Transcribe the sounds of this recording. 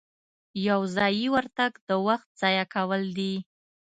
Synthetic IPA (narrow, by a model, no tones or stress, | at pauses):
jawzɑjiwaɾt̪aɡd̪əwaxt̪̚z̥ɑjakawəld̪i